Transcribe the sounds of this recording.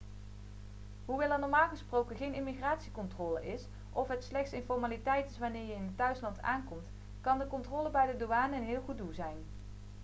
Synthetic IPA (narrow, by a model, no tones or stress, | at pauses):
ɦuʋɛlˠanɔɹmaːlˠɣəsprowkəχejnɪmiχraːtsikɔntroːləʔɪs | ʔɔfɦətslɛxtsɪnfɔɹmaːlitɛjtɪsʋaːnɪːɹjəɪnətœɥslɑnta̰ːnkɔmt | kɑndəkɔntroːləbɛjdədoaːnəənɦɪːlˠχut̚dulˠzɛjn